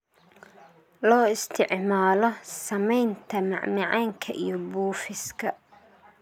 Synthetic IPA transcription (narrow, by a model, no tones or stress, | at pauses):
lɔːɪst̪ʰɪʕmaːlɔsɐmɛjnt̪ʰɐmɑ̰ʕmɑʕaːŋkʰɐʔijɔbuːfɪskʰɐ